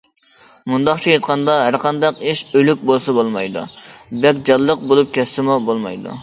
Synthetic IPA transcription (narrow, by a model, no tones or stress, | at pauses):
mund̪ɑχt͡ʃʰijet̪qʰɑnd̪ɑɦæɾqʰɑnd̪ɑqiʃølyk̚ʲbolˠsɑbolˠmɑ̰jd̪ṵbɛkʲd͡ʒɑlˠːəq̚bolˠup̚kʲʰɛst̪ɪmubolˠmɑ̰jd̪ṵ